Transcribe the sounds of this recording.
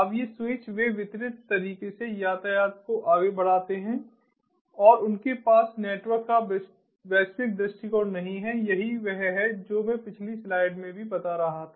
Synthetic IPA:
ɐbjeswɪt͡ʃʋeʋɪt̪ɾɪt̪ːɐɾiːkesejaːt̪ajaːt̪̚koʔaːɡebɐɽ̤aːt̪eɦɛ̃ | ɔːɾʊnkepaːsneːʈwəɾkːab | bɛːsfɪk̚d̪ɾʊsʈikɔːɾnɐɦĩɦɛjɐɦiʋɛɦɦɛd͡ʒoːmẽpɪt͡ʃʰlislaːɪɖmẽbʱibɐt̪aɾɐɦat̪ʰaː

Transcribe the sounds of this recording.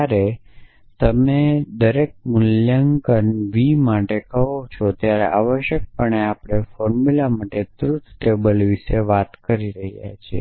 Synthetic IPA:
aɾe | t̪əmed̪əɾek̚mʊljaŋkənʋimaʈekəɦot͡ʃʰot̪jaɾḛʔaʋəʃjək̚pəɳeapɽ̃efɔɾmulamaʈet̪ɾut̪ʰʈebəlʋiʃeʋat̪kəɾiɾəɦja̰t͡ʃʰḛ

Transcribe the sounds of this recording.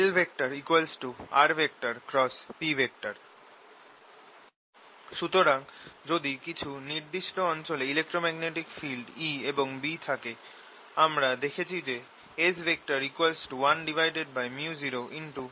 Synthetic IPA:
elbʱek̚ʈaɾikualsʈua̰ɾbʱek̚ʈaɾkɾɔspibʱek̚ʈaɾ | ʃut̪oɾaŋd͡ʑod̪ikit͡ɕʰuniɾd̪iʃʈoɔnt͡ɕoleilek̚ʈɾomɛɡneʈikfilɖieboŋbit̪ʰake | amɾad̪ekʰet͡ɕʰid͡ʑe | esbʱek̚ʈaɾikualsʈuwanɖivʱajɖeɖ̚bajmjud͡ʑiɾoʔinʈu

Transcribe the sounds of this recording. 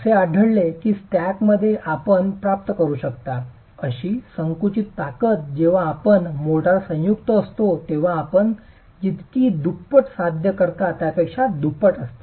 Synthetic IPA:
seaɖʱəɭlekiːsʈækməd̪ʱːjeʔapəɳpɾap̚t̪əkəɾuːɕəkt̪a | əɕiːsəŋkut͡ɕit̪ːakət̪̚d͡ʑeʋ̤aːpəɳmoʈaɾsə̃jukt̪əːst̪ot̪eʋ̤aːpəɳ | d͡ʑit̪kiːd̪upːəʈsad̪ʱjəkəɾkat̪japekʂad̪upːəʈəst̪i̥

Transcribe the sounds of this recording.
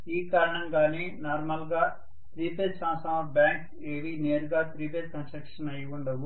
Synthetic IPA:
iːkaːɾɐɳɐmɡaːneːnaːɾmɐlɡaː | t̪ɾiːpeːd̪saːsɐɐbjaːŋk | eːʋineːɾuɡaːt̪ɾiːp̬eːd̪kɐnsɾɐkʂɐnɐjuɳɖɐwu

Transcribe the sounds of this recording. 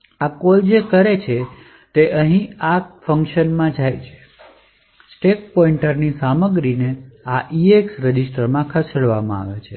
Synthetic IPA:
akold͡ʒekəɾet͡ʃʰe | t̪eʔəɦĩafəŋkʃənmãd͡ʒajt͡ʃʰe̥ | sʈek̚pɔiɳʈəɾnisaməɡɾineaʔieksɾəd͡ʒisʈəɾmãkʰəseɽʋamãa̰ʋet͡ʃʰe

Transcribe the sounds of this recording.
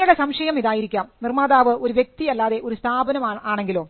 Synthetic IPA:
uɽesɐmʂɐjɐmiðaːjiɾikʲːaːmnirmaːðaːʋɨʔo̞ɾuʋjek̚t̪iɐlːaːðe̞ʔo̞ɾust̪ʰaːbɐnɐmaːɳe̞ŋɡilo̞ː

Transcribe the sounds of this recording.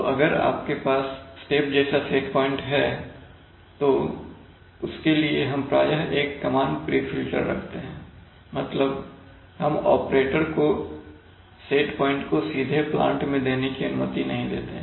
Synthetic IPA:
oʔɐɡəɾa̰ːp̚kepaːssʈeːp̚d͡ʒɛːsaseːʈpɔːɪ̃ɳʈɦɛ | t̪o | ʊskelieɦɐmpɾa̰ːjəɦeːkːɐmaːɳɖpɾiːfɪlʈə̰ɾːɐ̰kʰt̪eɦɛ̃ː | mɐt̪ləb | hɐmɔːpɾeːʈəɾko | seːʈpɔːɪ̃ɳʈkosiːd̪ʱeplã̰ːɳʈmẽd̪eːnekiɐnʊmət̪inɐɦĩd̪ḛːt̪eɦɛ̃

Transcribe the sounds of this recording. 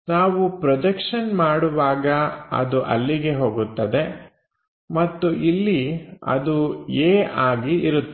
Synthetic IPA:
naːʋupɾɐd̪ɐkʂɐnmaːɽuʋaːɡɐɐ̰d̪uʔɐ̰lːiɡe̞ɦo̞ːɡut̪ːɐd̪e̞ | mɐt̪ːuʔilːiɐ̰d̪ueːʔaːɡiiɾut̪ː

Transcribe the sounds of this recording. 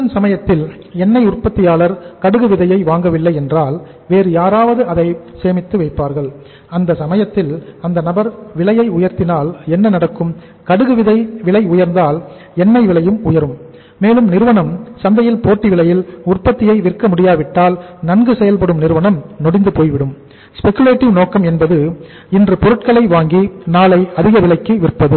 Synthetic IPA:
ɐnsɐmɐjɐt̪ːɪl | ɛnːɐɪʊrpɐt̪ːɪjaːlɐɾkɐɽɯɣɯʋɪðɐjɐɪʋaːŋɡɐʋɪlːɐɪɛndraːl | ʋeːɾɯjaːɾaːʋɐðɯʔɐðɐɪseːmɪt̪ːɯʋɐɪpːaːɾɣɐɭ | ɐnd̪ɐsɐmɐjɐt̪ːɪlɐnd̪ɐnɐbɐɾʋɪlɐjɐɪʊjɐɾt̪ɪnaːlɛnːɐnɐɽɐkːɯm | kɐɽɯɣɯʋɪðɐɪʋɪɭɐɪʊjɐɾnd̪aːl | ɛnːɐɪʋɪɭɐjɯmʊjɐɾɯmː | eːlɯmnɪɾɯʋɐɳɐmsɐnd̪ɐjɪlpoːʈːiʋɪɭɐjɪlʊrpɐt̪ːɪjɐɪʋɪrkɐmʊɽɪjaːʋɪʈːaːlnɐnɡɯsɛjɐlpɐɽɯmnɪɾɯʋɐɳɐmnɔɽɪnd̪ɯpoːjʋɪɽɯm | spɛkːjʊleːʈːɪʋnoːkɐmɛnbɐðɯ | ɪndrɯpɔɾɯʈ̚kɐɭɐɪʋaːŋɡinaːlɐɪɐðɪɣɐʋɪɭɐɪkːɯʋɪrpːɐðɯ

